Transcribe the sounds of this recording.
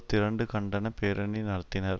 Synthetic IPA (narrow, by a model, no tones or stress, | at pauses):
t̪ːɪɾɐɳɖɯkɐɳɖɐnɐpeːɾɐɳinɐɽɐt̪ːɪnɐɾ